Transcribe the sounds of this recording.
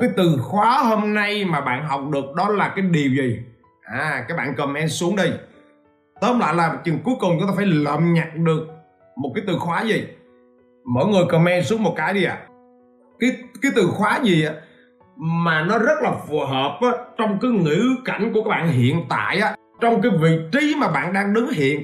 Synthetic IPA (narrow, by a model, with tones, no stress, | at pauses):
kaː˨˦jt̪ɨ˨˩xwaː˨˦ho˧mna˧jmaː˨˩ɓa̰ː˧˨nɦa˨˩wk͡p̚ɗɨ˨˩ək̚ɗɔ˨˦laː˨˩kaː˨˦jɗi˨˩əwzi˨˩ | ʔaː˨˩kaː˨˥k̚ɓa̰ː˧˨nkə˨˩mʔɛ˧nsu˨˦əŋɗi˧j | t̪əː˨˦mla̰ː˧˨jlaː˨˩t͡ɕɨ˨˩ŋku˨˦əjkʊ˨˩ŋ͡mt͡ɕʊ˦ŋ͡mt̪aː˧fːjləː˨˩mɲa˨˩t̚ɗɨ˨˩ək̚ | mo˨˩t̚kaː˨˦jt̪ɨ˨˩xwaː˨˦zi˨˩ | mɔ̰˧˥˨jŋɨ˨˩əjkə˨˩mʔɛ˧nsu˨˦əŋmo˨˩t̚kaː˨˦jɗi˧ʔa̰ː˧˨ | kaː˨˦jkaː˨˦jt̪ɨ˨˩xwaː˨˦zi˨˩ʔaː˨˦ | maː˨˩nɔ˨˦zə˦˥t̚laː˨˩fu˨˩ɦəː˨˩p̚ʔaː˨˦t͡ɕɔ˧wŋ͡mkaː˨˦jŋḭ˧˥ka˧˩jŋ̟kkaː˦˥k̚ɓaː˧˨nɦḭ˧˨ənt̪a̰ː˧˨jʔaː˨˦ | t͡ɕɔ˧wŋ͡mk̬aː˨˦jvḭ˧˨t͡ɕi˨˦maː˨˩ɓa̰ː˧˨nɗaː˧ŋɗɨ˨˦ŋhḭ˧˨ən